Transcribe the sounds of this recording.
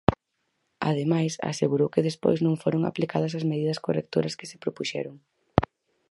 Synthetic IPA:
a̰ðemajsa̰seɣuɾowkɪðespo̰jznõŋfoɾoŋa̰plikað̞ɐsɐzmeðiðɐskorek̚t̪oɾɐskɪ̥sɪ̥pɾopuʃɛ̰ɾoŋ

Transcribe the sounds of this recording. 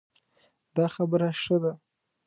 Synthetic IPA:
d̪ɑxabəɾaʂəd̪a

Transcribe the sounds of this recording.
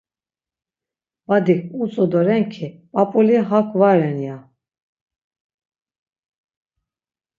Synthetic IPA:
vad̪ikʰʼut͡sʼɔd̪ɔɾɛŋkʰipʼapʼuliɦakʰʼvaɾɛnja

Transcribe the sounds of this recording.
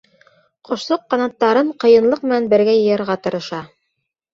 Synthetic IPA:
qŏʃlˠoqːɑnɑt̪ːɑɾɤɴqɤ̆jɤ̆nlˠɤq̚mɘ̆nænbɘ̆ɾɡæjɤ̆jɤ̆ɾʁɑt̪ɤ̆ɾɤ̆ʃɑ

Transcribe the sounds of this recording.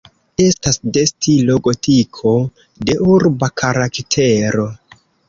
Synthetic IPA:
e̞stasde̞stilo̞ɡo̞tʰikʰo̞ | de̞ʔuɾbakʰaɾaktʰe̞ɾo̞

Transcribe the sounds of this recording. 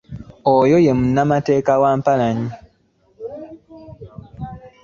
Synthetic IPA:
ɔjojemnamatɛkawam̩palaɲi

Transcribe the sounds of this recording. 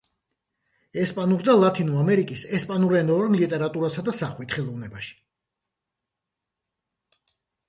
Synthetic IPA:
ɛspʼanuɾd̪alˠat̪ʰinuamɛɾikʼisɛspʼanuɾɛnɔɾnlit̪ʼɛɾat̪ʼuɾasad̪asaχwit̪ʰχɛlˠɔvnɛbaʃi̥

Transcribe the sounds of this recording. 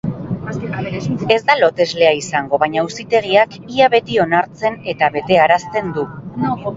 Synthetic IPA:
e̞zd̪alo̞t̪e̞zle̞aisaŋɡo̞βaɲausit̪e̞ɣiak | iaβe̞t̪io̞naɾt͡se̞ne̞t̪aβe̞t̪e̞aɾast̪e̞nd̪u

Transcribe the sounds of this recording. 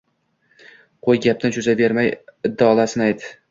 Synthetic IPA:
qʰojɡʲap̚t̪ant͡ʃʰʊzabe̞ɾmajɪd̪ːaɒlˠasɪnajt̪ɪ

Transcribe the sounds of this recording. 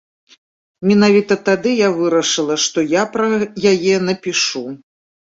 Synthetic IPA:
mʲɛnavʲit̪ɐt̪ad̪ɨjavɨɾɐʂɨlˠɐʂt̪ɔjapɾɐjajɛnɐpʲiʂu

